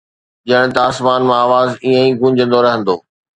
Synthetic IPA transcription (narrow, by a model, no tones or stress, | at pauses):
ʄɐəɽ̃ɪ̃̆t̪aːsmaːnmãaːʋaːziə̃ĩːɡũːɲd͡ʑə̃nd̪oɾɐɦə̃nd̪oː